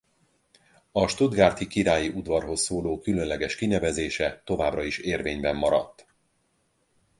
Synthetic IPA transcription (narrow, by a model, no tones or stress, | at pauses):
ɒʃt̪ud̪ɡaːrt̪ikiɾaːjiud̪vɒrɦo̞sːoːloːkylønlɛɡɛʃkinɛvɛzeːʃɛt̪o̞vaːbrɒiʃeːrveːɲbɛmːɒɾɒ̰t̪ː